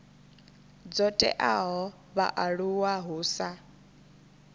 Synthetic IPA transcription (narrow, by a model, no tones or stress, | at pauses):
d͡zɔtʼɛ̰ʔaɦɔ | βa̰ʔaɺuwaɦuːsa